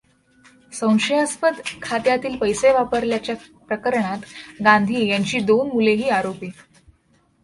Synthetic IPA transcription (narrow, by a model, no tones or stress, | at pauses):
sə̃w̃ɕəjaspəd̪kʰat̪jat̪iːlpəjseʋapəɾljat͡ɕjapɾəkəɾɳat̪ɡãnd̪ʱiːjaɲt͡ɕiːd̪onmuleɦiːaɾopi